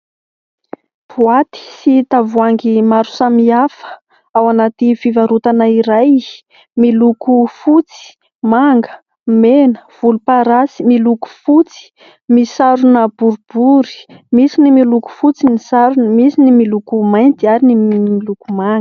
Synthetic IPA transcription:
vuat̪i̥sit̪avuaŋɡimaɾu̥samiafə̥ | awanat̪ifivaɾut̪anaiɾaj | milukufut͡si̥ | maŋɡə̥ | menə̥v̥ulupaɾasimiluku̥fut͡si̥ | misaɾunəbuɾub̥uɾi̥misinimiluku̥fut͡sinisaɾunəmisinimilukumajnt̪iaɾiniilukumaŋɡə̥

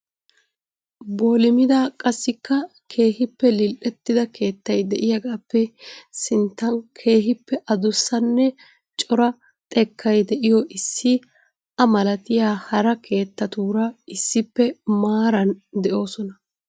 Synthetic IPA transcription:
boːlɪmɪd̪aːkʼɐsːɪkːɐ | kʰe̞ːɦɪpːɛlɪlʔɛt̪ːɪd̪ɐke̞ːt̪ːɐjd̪ɛʔɪjɐɡaːpːɛsɪnt̪ːɐnkʰe̞ːɦɪpːɛʔɐd̪ʊsːɐnːɛ | t͡ʃʼɔɾɐ | t̪ʼɛkʰːɐjd̪ɛʔɪjɔʔɪsːɪ | ɐmɐlɐt̪ɪjaːhɐɾɐkʰe̞ːt̪ːɐt̪uːɾɐɪsːɪpːɛmaːɾɐnd̪ɛʔo̞ːsɔnɐ

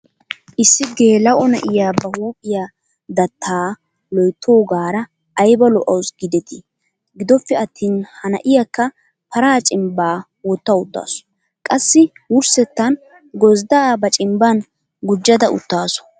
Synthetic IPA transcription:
ʔɪsːɪɡe̞ːlɐwʔɔnɐ̰ʔɪjaːbɐhuːpʼɪja | d̪ɐt̪ʰːaː | lɔjt̪ʰːoːɡaːɾɐː | jbɐlɔʔɐwsɡɪd̪ɛt̪ɪ | ɡɪd̪ɔfːɛɐt̪ːiːnhɐnɐ̰ʔɪjakːɐ | pɐɾaːt͡ʃʼɪmbaː | wɔt̪ːɐʊt̪ːa̰ːsɔ̥ | kʼɐsːɪwʊɾsɛt̪ːɐn | ɡɔzd̪aːbɐt͡ʃʼɪmbɐn | ɡʊd͡ʒːɐd̪ɐʔʊ̰t̪ːaːsɔ̥

